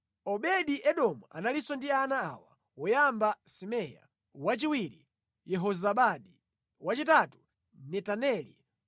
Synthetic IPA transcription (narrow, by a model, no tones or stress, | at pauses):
ɔɓɛɗiʔɛɗɔmuʔa̰nalisɔndianaːawa | wɔjambasimɛja̰ | wat͡ʃiwiɾḭ | jɛɦɔzaɓaɗi | wat͡ʃitatu̥ | nɛtanɛlḭ